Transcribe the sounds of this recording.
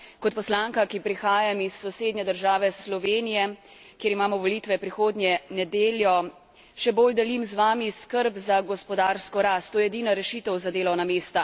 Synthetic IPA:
kɔt̪pɔslaŋkakipɾixaːjamisːɔseːd̪ɲɛd̪əɾʒaːʋɛslɔʋeːnijɛ | kjeːɾimaːmɔʋɔliːt̪ʋɛpɾixoːd̪njɛnɛd̪eːljɔ | ʃɛboːld̪ɛlimzʋaːmiskəɾbzaɡɔspɔd̪aːɾskɔɾast̪ːoːjɛɛd̪iːnaɾɛʃiːt̪əwzad̪eːlɔwnameːst̪a

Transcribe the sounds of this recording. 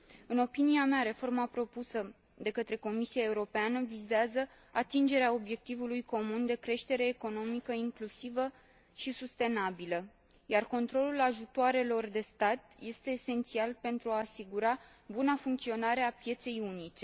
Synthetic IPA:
ɨno̞piniameaɾe̞fo̞rmapɾo̞pusə | d̪e̞kət̪ɾe̞ko̞misiae̞uɾo̞peanəvizeazə | at̪ind͡ʒe̞ɾeao̞bje̞k̚t̪ivulujko̞mund̪e̞kɾe̞ʃt̪e̞ɾe̞ːko̞no̞mikəiŋklusivə | ʃisust̪e̞nabilə | jarko̞nt̪ɾo̞lulaʒut̪oaɾe̞lo̞rd̪e̞st̪at̪je̞st̪e̞ːse̞nt̪sialpe̞nt̪ɾuaːsiɡuɾa | bunafuŋkt̪sio̞naɾeapje̞t̪se̞junit͡ʃe̞

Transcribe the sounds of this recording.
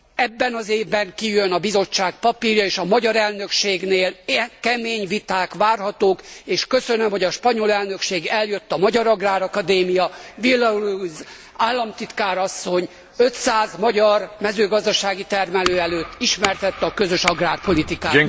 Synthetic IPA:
ɛbːɛnɒzeːvbɛŋkijønɒbizo̞t͡ʃːaːk̚pɒpiːrjɒeːʃɒmɒɟɒɾɛlnø̞kʃeːɡneːlkɛmeːɲʋit̪aːkʋaːrɦɒt̪oːkeːʃkø̞sønømhoɟɒʃpɒɲo̞lɛlnø̞kʃeːɡɛljø̞t̪ːɒmɒɟɒɾɒɡraːɾɒkɒd̪eːmijɒvilːɒuluz | aːlːɒmt̪it̪kaːɾɒsːo̞ɲ | ø̞t̪saːzmɒɟɒrmɛzøːɡɒzd̪ɒʃaːɡit̪ɛrmɛløːɛløːt̪ːiʃmɛrt̪ɛt̪ːɒkøzø̞ʃɒɡraːrpo̞lit̪ikaː

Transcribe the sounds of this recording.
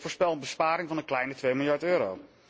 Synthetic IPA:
voːɹspɛlˠənbəspaːɾɪŋvɑnəklɛjnətʋejmɪlˠjɑɹtøːɾo̰w

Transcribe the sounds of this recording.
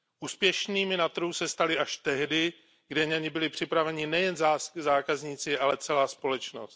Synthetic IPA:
ʔuːspjɛʃniːmɪnat̪ɾ̩ɦusɛst̪alɪʔaʃt̪ɛɦdɪ | ɡdɛɲaɲɪbɪlɪpr̝̥ɪpɾavɛɲɪnɛjɛnzazaːkazɲiːt͡sɪalɛt͡sɛlaːspo̞lɛt͡ʃno̰st̪

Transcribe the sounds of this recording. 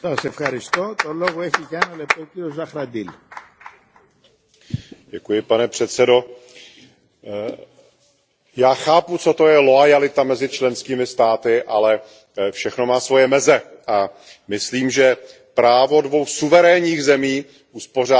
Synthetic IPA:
sɐsefxɐɾɪst̪ot̪oloɣoɛçiʝaɛnɐlep̚t̪ociozɐxɾɐd̪il | ɟɛkujɪpanɛpr̥ɛt̪sɛdo̞ | jaːxaːput͡so̞t̪o̞jɛlo̞ajalɪt̪amɛzɪt͡ʃlɛnskiːmɪst̪aːt̪ɪʔalɛ | fʃɛxno̞maːsvo̞jɛmɛzɛʔa | mɪsliːmʒɛ | pɾaːvo̞dvo̞wxsuvɛɾɛːɲiːɣzɛmiː | ʔuspo̞r̝aː

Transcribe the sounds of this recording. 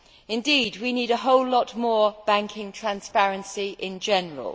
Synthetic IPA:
ɪ̃ndiːdwiniːɾəɦoʊlːɒʔmɔːb̥ãŋkʰɪ̃ŋtʰɹ̥ãnspaɹə̃nsiʔɪ̃nd͡ʒɛnəɹə̰lˠ

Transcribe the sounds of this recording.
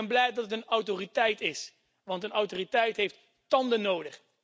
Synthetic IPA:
ɛnblɛjdɑtətənɔwtoritɛjtɪs | ʋɑntənɑwtoritɛjtɦejft | tɑndənowdəχ

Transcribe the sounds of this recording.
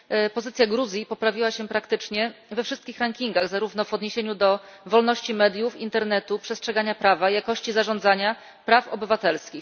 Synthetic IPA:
pɔzɘt̪sʲjaɡɾuzʲjipɔpɾavʲiwaɕɛpɾakt̪ɘt͡ʂɲɛvɛfʂɘst̪kʲixɾaŋkʲiŋɡaɣzaɾuvn̪ɔvɔd̪ɲeɕeɲud̪ɔvɔlnɔɕt͡ɕimɛd̪ʲjufint̪ɛɾnɛt̪upʂɛstʂɛɡaɲapɾavajakɔɕt͡ɕizaʐɔnd̪zaɲa | pɾafɔ̰bɘvat̪ɛlskʲix

